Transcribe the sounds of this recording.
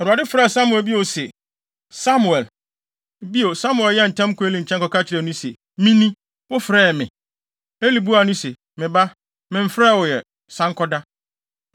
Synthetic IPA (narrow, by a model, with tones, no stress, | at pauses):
ɔ˨ɾa˨dɪ˦fɾa˦˨sa˦mʊ˨ɛ˨lbi˦o˨sɛ˨ | sa˦mu˨ɛ˨l | bi˦o˨sa˦mʊ˨ɛ˨ljɛ˦˨n̩˨tʰɛ̃˦m˦kʊ˨˦e˦li˨ɲ̩˨t͡ɕʰɛ˦kɔ˨ka˦t͡ɕʰɪ˨ɾɛ˨nʊ̃˦sḛ˨ | mĩ˦nĩ˦ | wʊ˦fɾɛː˦ɛ˨mɪ̃˨ | e˦li˨bu˦a˨nʊ̃˦sɛ˨ | mɪ̃˨ba˦ | mɪ̃˨m̩˨fɾɛː˦˨wʊ˨jɛ˨ | sã˦ŋ˦kʰɔ˦da˦